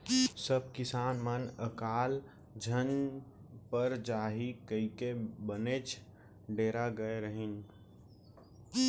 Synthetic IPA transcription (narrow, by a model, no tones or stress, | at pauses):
səb̚kɪsaːnmənəkaːl | d͡ʒʱən | pəɾd͡ʒaːɦikəikebəneːt͡ʃ | ɖeːɾaɡəeɾəɦɪn